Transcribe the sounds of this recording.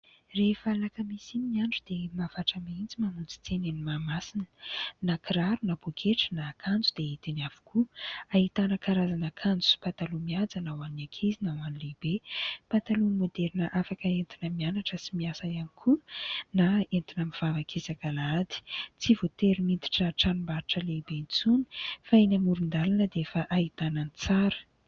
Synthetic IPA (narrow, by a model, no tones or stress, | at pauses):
refalakəmisiiaɳɖ͡ʐud̪̥emavaʈ͡ʂəmint͡simanunt͡si̥t͡senenimamasinə̥nakiɾaɾunabokʰeʈ͡ʂənaːkʰand͡zud̪̥eit̪enav̥u̥kʰuaɦit̪anəkaɾazanakʰand͡zu̥pat̪alumiad͡zanawanakʰezinawanilebepat̪alumod̪eɾinəʔafakəent̪inəmianaʈ͡ʂəsimiasajanikʰunaent̪inəmiv̥avakʰezakalad̪i̥t͡sivot̪eɾimint̪i̥ʈ͡ʂəʈ͡ʂanumbaɾiʈ͡ʂəlebent͡suni̥fainamuɾund̪alanəd̪eefəʔait̪anənit͡saɾə̥